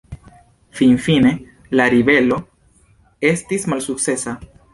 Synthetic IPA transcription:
finfine̞ | laɾibe̞lo̞ | e̞stismalsuk̚t͡se̞sa

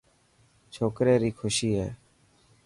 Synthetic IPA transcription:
t͡ʃʰoːkɾeːɾiːkʰʊʃiːɦɛ̰ː

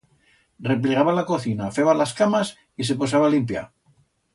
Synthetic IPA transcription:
rep̬liɣaβalako̞θinafeβalaskamas | is̬e̞posaβalimpja̰

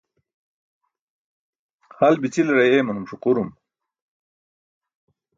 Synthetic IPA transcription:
halbit͡silɾajemɐnumɕuquɾum

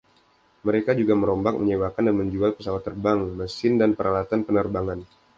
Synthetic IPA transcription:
məɾekad͡ʒuɡaməɾɔmbak̚məɲewakandanməɲd͡ʒualpəsawat̪ːərbaŋməsɪndanpəɾʔalat̪anpənərbaŋan

